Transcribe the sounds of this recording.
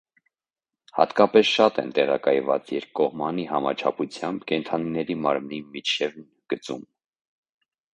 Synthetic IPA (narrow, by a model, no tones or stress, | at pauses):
hɑ̰t̪kɑpɛsʃɑt̪ɛ̰nt̪ɛʁɑ̰kɑjvɑ̰t͡sjɛɾkkːɔhmɑniɦɑmɑ̰t͡ʃʰɑ̰pʰut͡sʰjɑmbkɛnt̪ʰɑninɛɾimɑɾmnimit͡ʃʰɛvn | ɡ̥ət͡sṵm